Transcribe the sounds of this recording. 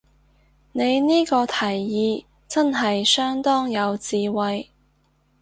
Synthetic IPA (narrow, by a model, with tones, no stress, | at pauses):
ne˨˧jniː˥kɔː˧t̪ʰɐ˨˩jːiː˨˧ | t͡sɐ˥nɦɐ˨jsœː˥ŋt̪ɔː˥ŋjɐ˨˧wt͡siː˨wɐ˨j